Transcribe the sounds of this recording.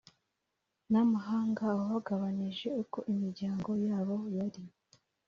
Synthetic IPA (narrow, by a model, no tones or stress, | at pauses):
namaɦaːŋɡaːoβaɡaβaɲiʒe̞uko̞ʔimiɾɟaːŋɡo̞jaːβo̞jaɾi